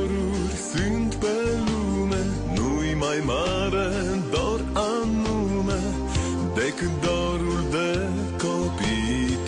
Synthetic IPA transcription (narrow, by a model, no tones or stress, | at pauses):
ɾu | ɾsynt̪bəlumə | nujmajma | ɾə | d̪ɔɾa | nu | mə | d̪ɛkəd̪ɔ | ɾuɾd̪ə | kʰɔpi